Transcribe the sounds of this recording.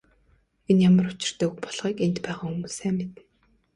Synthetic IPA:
enjamə̆rʊt͡ɕɪ̆r̥t̪œːkpɔɮʁiːkent̪pæːʁaːumŭsæːmmet̪ː

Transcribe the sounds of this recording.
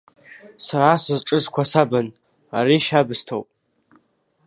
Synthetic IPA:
saɾaːsɨzʈ͡ʂʼɨzkʷʰasaban | aɾiʃabɨstʰowpʼ

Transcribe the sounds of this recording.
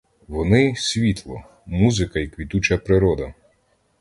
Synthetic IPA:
ʋɔnɪsʲʋʲit̪lˠɔ | muzɪkɐikʋʲid̪ut͡ʃɐpɾɪɾɔd̪ɐ

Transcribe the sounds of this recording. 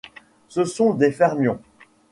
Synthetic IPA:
səsɔ̃d̪efɛʁmjɔ̃

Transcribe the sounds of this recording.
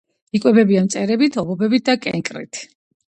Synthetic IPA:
ikʼwɛbɛbiamt̪sʼɛɾɛbit̪ʰɔbɔbɛbit̪̚d̪akʼɛ̰ŋkʼɾḭt̪ʰ

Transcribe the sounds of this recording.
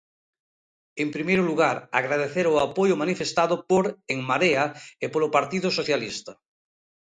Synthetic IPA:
empɾimejɾoluɣ̞aɾa̰ɣɾað̞eθeɾoapojomanifest̪aðopoɾeŋmaɾeaepoɾopaɾt̪iðosoθjalist̪a

